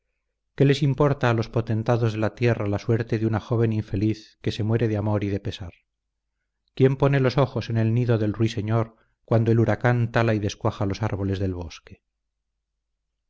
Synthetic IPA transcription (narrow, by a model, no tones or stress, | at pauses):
ke̞le̞simpo̞ɾt̪aːlo̞spo̞t̪e̞nt̪aðozðe̞lat̪je̞ralaswe̞ɾt̪e̞ðjunaxo̞β̞e̞niɱfe̞liθke̞se̞mwe̞ɾe̞ðeamo̞ɾiðe̞pe̞saɾ | kje̞mpo̞ne̞lo̞so̞xo̞se̞ne̞lniðo̞ðe̞lruise̞ɲoɾ | kwand̪o̞eluɾakant̪alaiðe̞skwaxalo̞saɾβo̞le̞zðe̞lβo̞ske